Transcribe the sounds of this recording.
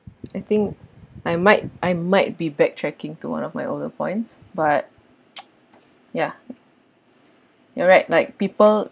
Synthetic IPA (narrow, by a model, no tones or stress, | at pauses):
ajt̪ɪ̃ŋkʔajmaɪt̚ʔajmaɪt̚bibɛk̚tʰɹɛkɪ̃ŋtuwã̰nɔfmajʔo̰ldəpʰɔ̰̃ɪ̃ntsbat̚ | ja | jɔɹaɪt̚laɪk̚pipəl